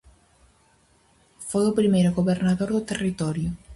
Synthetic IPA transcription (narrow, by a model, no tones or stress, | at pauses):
fojʊpɾimejɾʊɡoβeɾnaðoɾðʊt̪erit̪ɔɾjʊ